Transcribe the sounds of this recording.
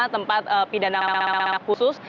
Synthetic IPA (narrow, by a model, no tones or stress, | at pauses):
t̪əmpat̪̚əpidanakusʊs